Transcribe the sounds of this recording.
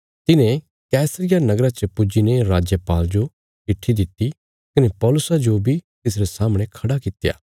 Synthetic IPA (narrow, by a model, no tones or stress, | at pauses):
t̪ɪnẽ | kɛːsɾɪjanɐɡɾat͡ʃəpʊd͡ʒineɾaːd͡ʒjəpaːld͡ʒo | kɪʈʰːid̪ɪt̪ːi | kɐnepɔːlʊsad͡ʒobʱit̪ɪs̬ɾesaːmɽ̃ekʰɐɽakɪt̪ja̰ː